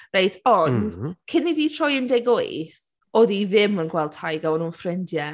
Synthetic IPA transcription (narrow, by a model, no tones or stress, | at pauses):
rejtʰɔnd̥kʰɪniviːtʰr̥ɔjɪndeɡojθ | ɔːðiðɪmənɡwɛlˠd̥ʰhajɡawɔnuːnfrɪndjɛ